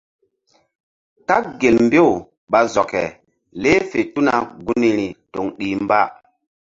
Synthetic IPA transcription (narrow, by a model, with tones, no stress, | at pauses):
ka˦k̚ɡe˨lmbe˦˨w | ɓa˨zɔ˨kɛ̰˨ | le˦fe˨tu˦na̰˨ɡu˦ni˨ɾi˨to˨ŋɗi˨mba˦